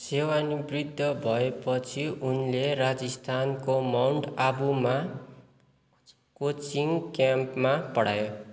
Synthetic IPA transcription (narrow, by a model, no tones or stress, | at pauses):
sewanibrid̪ʱːʌbʱʌepʌt͡sʰiʔunlerad͡zʌst̪ʰankomawɳʈabuma | kot͡siŋkjampmapʌɽ̤a̰jo